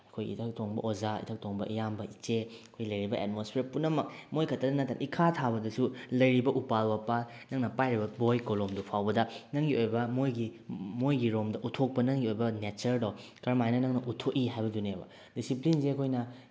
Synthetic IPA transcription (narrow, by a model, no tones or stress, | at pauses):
ɐkʰojḭtʰɐk̚tʰoŋbɐ̰ʔozaḭtʰɐk̚tʰoŋbɐʔijambɐit͡ʃeɐkʰojlɐjɾibɐʔḛt̚mospʰeɾpunɐmɐk̚mojkʰɐtːɐdɐnɐtːaɾ̰ʔikʰatʰabɐdɐsulɐjɾibɐʔupalbɐpa | nɐŋnɐpajɾibɐbojkolomdupʰawbɐdɐnɐŋɡiojbɐmojɡimojɡiɾomdɐʔutʰok̚pɐnɐŋɡiojbɐnet͡ʃɐɾdɐwkɐɾmajnɐnɐŋnɐʔutʰokiɦajbɐdunebɐ̰ | disiplinzekʰojnɐ